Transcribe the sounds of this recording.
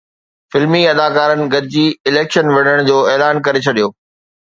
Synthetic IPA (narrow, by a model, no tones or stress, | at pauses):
fɪlmiɐd̪aːkaːɾənɪ̆ɡɐd̪ʱɪd͡ʑiːɪleːkʃənʋɐɽ̤əɽ̃d͡ʑoːɛːlaːnkɐɾet͡ɕʰɐɗijoː